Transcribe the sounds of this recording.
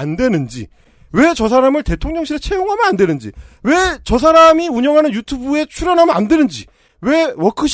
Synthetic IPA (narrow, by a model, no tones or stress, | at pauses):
andwe̞nɯnd͡ʑḭ | we̞t͡ɕʌs̬ʰaɾamɯɭte̞tʰoŋɲʌŋɕʰiɾet͡ɕʰe̞joŋɦamjʌnandwe̞nɯnd͡ʑḭwe̞t͡ɕʌs̬ʰaɾamiuɲʌŋɦanɯnjutʰubue̞t͡ɕʰuɾjʌnɦamʌnandwe̞nɯnd͡ʑi | we̞wʌkʰɯɕ